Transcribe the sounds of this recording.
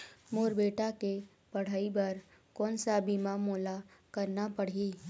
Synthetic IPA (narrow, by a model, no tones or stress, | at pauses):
moːɾbeːʈake | pɐɽ̤aːibɐɾ | kɔːnsabimamoːlakəɾnapəɽ̤iː